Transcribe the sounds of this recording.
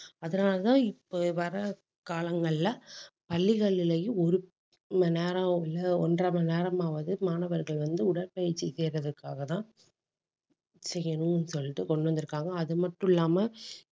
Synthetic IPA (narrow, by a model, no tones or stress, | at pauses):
ɐðɐnaːlɐt̪ãːɪpːoʋɐɾɐ | kaːlɐŋɡɐɭɪlɐpɐlːɪɣɐɭːɪlɐjɯ̃ɔɾɯ | mɐneːɾɐɪlɐɔndrɐmɐneːɾɐmaːʋɐðɯmaːnɐʋɐɾɣɐɭʋɐnd̪ɯʊɽɐɾpɐjɪɾt͡ʃːiseːɾɐðɯkːaːɣɐt̪ãː | sɛjːɐnʊ̃nːɯsɔlːɪʈːɯkɔɳɖʋɐnd̪ɪɾɯkːaːŋɡɐːðɯmɐʈːʊ̃ɪlːaːmɐ